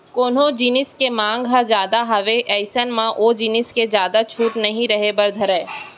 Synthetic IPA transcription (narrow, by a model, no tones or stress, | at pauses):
koːnõd͡ʒiːnɪskemãːŋɡɦad͡ʒjaːd̪aɦɐʋeʔɛːɪsənmãʔoːd͡ʒiːnɪsked͡ʒjaːd̪at͡ʃʰuːʈnɐɦĩɾɐɦebɐɾd̪ʱəɾɛ̃ː